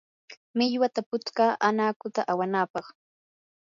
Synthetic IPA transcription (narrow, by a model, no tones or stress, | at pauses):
mɪʎwat̪apʊt͡skaːʔanaːkʊt̪aʔawanaːpɑχ